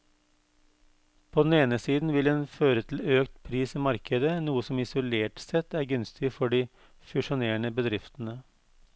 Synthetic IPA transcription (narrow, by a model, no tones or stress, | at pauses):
pʰoːd̪n̩eːnəsiːd̪n̩ʋɪleːnføːɾət̪ʰl̩øːkt̪pʰɾiːsiːmɑɾkʰəd̪ənuːəsɔmɪsʊleːʈsɛt̪ːæːɾɡʉnst̪ʰɪfɔɖiː | fʉʂʊneːɳəbəd̪ɾɪft̪n̩ə